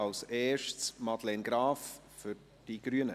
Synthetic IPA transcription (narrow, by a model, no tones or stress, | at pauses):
ɑlsɛːʃtsmɑdlɛnɡɾaːf | fyɾ | d̥iɡ̥ɾyənə